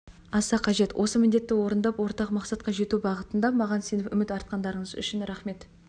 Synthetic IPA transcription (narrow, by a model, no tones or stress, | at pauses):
ɑsɑqʰɑʒe̞t̪wʔo̞səmɪnd̪e̞t̪ːɪwo̞ɾənd̪ɑpwo̞ɾt̪ɑqmɑqsɑt̪̚qɑʒe̞t̪ubɑʁət̪ənd̪ɑmɑʁɑnse̞nɪpʏmɪt̪ɑɾt̪̚qɑnd̪ɑɾəɴəzʏ̰ʃɪnɾɑχme̞t̪